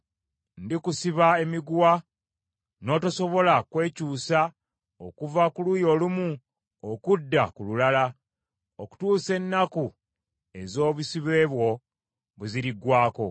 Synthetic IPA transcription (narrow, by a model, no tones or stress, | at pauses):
ndikusiβae̞miɡwa | no̞ːtaso̞βo̞lakwe̞ːcuːsa | okuvakulujo̞ːlumu | okudːakululala | oku̥tuːse̞nːaku | e̞zo̞ːβusiβe̞ːβwo̞ | βuziɾiɡwaːko̞̰